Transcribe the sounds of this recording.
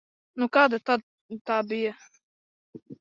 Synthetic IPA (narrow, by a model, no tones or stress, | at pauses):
nukaːd̪at̪ad̪̚ | t̪aːbijɐ